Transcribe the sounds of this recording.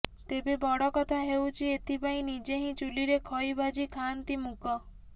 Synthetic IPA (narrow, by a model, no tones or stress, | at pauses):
t̪ebebɔɽɔkɔt̪ʰaɦewt͡ʃʰiet̪ʰipaĩnid͡ʒeɦĩt͡ʃuliɾekʰɔjbad͡ʒikʰant̪imukʰɔ